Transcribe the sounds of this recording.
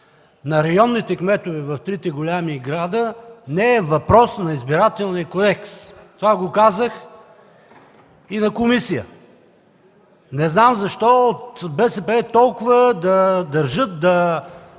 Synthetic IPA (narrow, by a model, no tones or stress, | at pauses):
nɐɾɐjɔnːit̪ɛkmɛt̪ovɛvɐft̪ɾit̪ɛɡolʲamiɡɾad̪ənɛɛvɐpɾɔsnɐizbiɾat̪ɛlˠnijəkod̪ɛkst̪ovaɡokazəx | inɐkomisijə̰ | nɛznamzɐʃt̪ɔot̪bɛsɛpɛt̪ɔlˠkʊvəd̪ɐd̪ɐɾʒɤt̪̚d̪ɐ